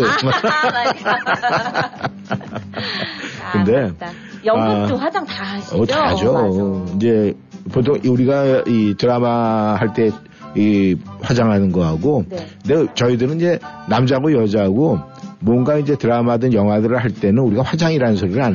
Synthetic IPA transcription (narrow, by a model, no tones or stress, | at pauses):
ma | kɯnde̞ | ad͡ʑaŋʌad͡ʑoind͡ʑe̞ | potʰoŋuɾiɡaitɯɾamaɦaɭt͈e̞ | iɸwad͡ʑaŋɦanɯnɡʌɦaɡokɯndet͡ɕʌidɯɾɯniɲd͡ʑe̞namd͡ʑaɡojʌd͡ʑaɦaɡo | mwʌnɡaind͡ʑe̞tɯɾamadɯnjʌŋɦwadɯɾɯɭhaɭt͈e̞nɯnuɾiɡaɸwad͡ʑaŋiɾanɯnsʰʌɾiɾɯɭan